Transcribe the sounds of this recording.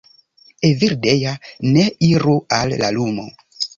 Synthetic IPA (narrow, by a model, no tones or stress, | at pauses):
eviɾdejaneiɾualːa̰lumo̰